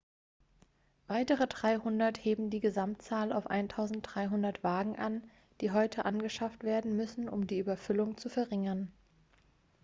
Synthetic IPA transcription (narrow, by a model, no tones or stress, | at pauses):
v̥aɪtəʁ̞ədʁaɪhʊndɐtheːbm̩diːɡəzamtt͡saːlaʊfʔa̰ɪntʰaʊzn̩t̚d̥ʁaɪɦʊndɐtv̥aːɡŋ̩ʔan | d̥iːɦɔʏtʰəʔanɡəʃaftv̥eːɐdn̩mʏsn̩ʊ̰mdiːʔyːbɐfʏlʊŋt͡sufɛɐʁɪŋɐn